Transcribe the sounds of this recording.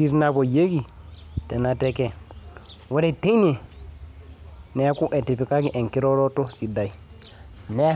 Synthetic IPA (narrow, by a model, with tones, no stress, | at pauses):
i˦ɾna˦˨bo˨je˦ɡi˨te˨na˨te˦ke˦˨ | wo˦ɾe˦˨te˦ne˨ | ne˦ku˦ʔe˨ti˨pi˨ka˦ɡi˦ʔe˨ŋki˦ɾo˦ɾo˦to˦si˨da˨i˨ | ne˦